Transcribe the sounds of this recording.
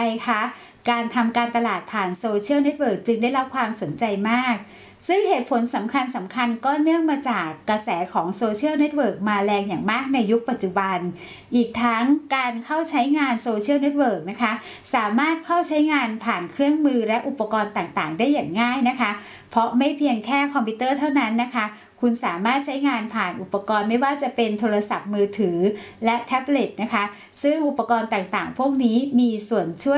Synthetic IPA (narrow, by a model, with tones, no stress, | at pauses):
jkʰa˦˥ | kaː˧nt̪ʰa˧mkaː˧nt̪a˧laː˨˩t̪̚pʰaː˨˩nsoː˧t͡ɕʰi˥˩wne˦˥t̪̚wɤː˨˩k̚t͡ɕɯ˧ŋda˥˩jɾa˦˥p̚kʰwaː˧mso˩˦nt͡ɕa˧jmaː˥˩k̚ | sɯ˥˩ŋheː˨˩t̪̚pʰo˨˩˦nsa˩˦mkʰa˧nsa˩˦mkʰa˧nkɔː˥˩nɯ˥˩əŋmaː˧t͡ɕaː˨˩kːɾa˧sɛː˩˦kʰɔː˩˦ŋsoː˧t͡ɕʰi˥˩əwne˦˥t̪̚wɤː˨˩k̚maː˧lɛː˧ŋjaː˨˩ŋmaː˥˩k̚na˧jːu˦˥k̚pa˨˩t̪̚t͡ɕu˨˩ba˧n | ʔiː˨˩k̚t̪ʰa˦˥ŋkaː˧nkʰa˥˩wt͡ɕʰa˦˥jŋaː˧nsoː˧t͡ɕʰi˥˩əwne˦˥t̪̚wɤː˨˩k̚na˦˥kʰa˦˥ | saː˩˦maː˥˩t̪̚kʰa˥˩wt͡ɕʰa˦˥jŋaː˧npʰaː˨˩nkʰɾɯ˥˩əŋmɯː˧lɛ˦˥ʔu˨˩pːa˧kɔː˧nt̪aː˨˩ŋt̪aː˨˩ŋdaː˥˩jːaː˨˩ŋːaː˥˩jna˦˥kʰa˦˥ | pʰɔ˦˥ma˥˩jpʰi˧əŋkʰɛː˥˩kʰɔ˧mpʰi˦˥t̪ɤː˥˩t̪ʰa˥˩wna˦˥nːa˦˥kʰa˦˥ | kʰu˧nsaː˩˦maː˥˩t̪̚t͡ɕʰa˦˥jŋaː˧npʰaː˨˩nʔu˨˩pːa˧kɔː˧nma˥˩jwaː˥˩t͡ɕa˨˩pe˧nt̪ʰoː˧ɾa˧sa˨˩p̚mɯː˧t̪ʰɯː˩˦lɛ˦˥t̪ʰɛ˦˥ble˨˩t̪̚na˦˥kʰa˦˥ | sɯ˥˩ŋʔu˨˩pːa˧kɔː˧nt̪aː˨˩ŋt̪aː˨˩ŋpʰu˥˩ək̚niː˦˥miː˧su˨˩ənt͡ɕʰu˥˩ə